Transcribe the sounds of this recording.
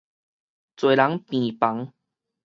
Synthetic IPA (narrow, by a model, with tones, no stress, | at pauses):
t͡swe˨˩la˨˦ŋpĩ˨pa˨˦ŋ